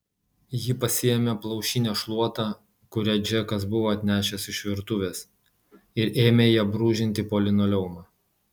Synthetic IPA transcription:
jɪpɐsʲɪjɛmʲɛplˠɐʊʃʲɪnʲɛʃlˠuɔt̪ɑː | kʊɾʲɛd͡ʒʲɛkɐsbʊʋoːɐt̪ʲnʲæːʃʲɛsɪʃʋʲɪɾt̪ʊʋʲeːs | ɪɾeːmʲeːjiɛbɾuːʒʲɪnʲt̪ʲɪpoːlʲɪnoːlʲɛʊmɑː

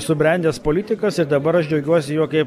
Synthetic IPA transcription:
sʊbʲɾʲɛˑnʲd̪ʲeːspoːlʲɪːt̪ʲɪkɐsɪɾd̪ɐbɐɾɐʃd͡ʒʲɛʊɡʲuɔsʲɪjuɔkɐɪp

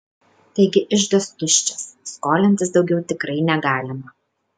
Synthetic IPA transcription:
t̪ɐɪɡʲɪʔɪʒd̪ɐst̪ʊʃʲt͡ʃʲɛsːkoːlʲɛnʲt̪ʲɪsd̪ɒʊɡʲɛʊt̪ʲɪkɾɐɪnʲɛɡɑːlʲɪmɐ

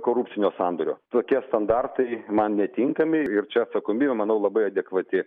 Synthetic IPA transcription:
koːɾup̪̚ʲsʲɪnʲoːsɑnd̪oːɾʲo̰ːt̪oːkʲiɛst̪ɐnd̪ɑrt̪ɐɪmɐnnʲɛt̪ʲiŋkɐmʲɪɪrt͡ʃʲɛɐt̪sɐkoːmʲiːbʲɛmɐnɐʊlˠɐbɐɪɐd̪ʲɛkʋɐt̪ʲɪ

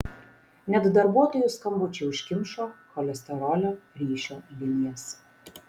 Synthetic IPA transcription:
nʲɛt̪d̪ɐɾbuɔt̪oːjʊskɐmbʊt͡ʃʲɛʊʃʲkʲɪmʃoːkɔlʲɛsʲt̪ʲɛɾɔːlʲoːɾʲiːʃʲoːʋʲɪnʲiɛs

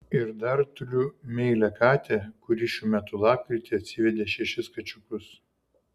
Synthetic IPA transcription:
ɪɾd̪ɐɾt̪ʊɾʲʊmʲɛɪlʲɛkɑːt̪ʲɛkʊɾʲiʃʲuːmʲæt̪ʊlˠɑːp̚kɾʲɪt̪ʲɪɐt̪ʲsʲɪʋʲɛd̪ʲeːʃʲɛʃʲɪskɐt͡ʃʲʊkʊs

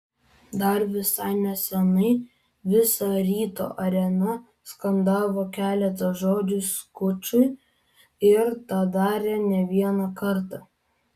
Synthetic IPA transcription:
d̪ɐɾʋʲɪsɑɪnʲɛsʲɛnɐɪ | ʋʲɪsɑɾʲiːt̪o̰ːʔɐɾʲɛnɐ | skɐnd̪ɑːʋoːkʲæːlʲɛt̪ɐʒoːd͡ʒʲʊskʊt͡ʃʲʊɪ | ɪɾt̪ɑːd̪ɑːɾʲeːnʲɛʋʲiɛnɑkɐɾt̪ɑ

